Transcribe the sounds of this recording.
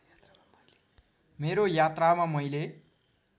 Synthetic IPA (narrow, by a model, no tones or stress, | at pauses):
meɾojat̪ramamʌjle